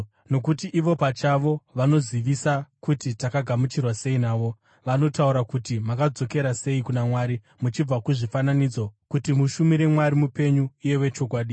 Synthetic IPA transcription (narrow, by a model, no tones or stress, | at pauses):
no̞kutiʔːʋo̞pat͡ʃaʋo̞ʋano̞ziʋisakutitakaɡʱamut͡ʃirwase̞inaːʋo̞ | ʋano̞tauɾakutimakad͡zo̞ke̞ɾase̞ikunamwaɾi | mut͡ʃib͡vakuʐifananid͡zo̞kutimuʃumiɾe̞mwaɾimupe̞ɲuije̞we̞t͡ʃo̞k̬waːɗi